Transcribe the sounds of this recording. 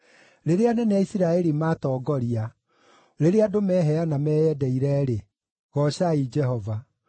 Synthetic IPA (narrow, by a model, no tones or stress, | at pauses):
ɾeɾeanɛneaisiɾaɛɾimaːtɔːɡɔɾia | ɾeɾeadomɛɦɛanamɛːjɛdɛiɾɛɾe | ɣɔɕaid͡ʒɛɦɔva